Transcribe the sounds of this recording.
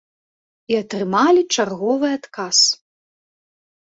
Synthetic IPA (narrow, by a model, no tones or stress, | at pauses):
iat̪ɾɨmalʲit͡ʂarɣɔvɨat̪kas